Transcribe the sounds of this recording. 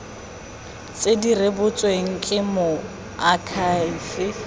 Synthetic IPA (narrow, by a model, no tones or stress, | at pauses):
t͡sʼedirebʊt͡sʼweŋ̩kʼɪmʊ | akʰasɪ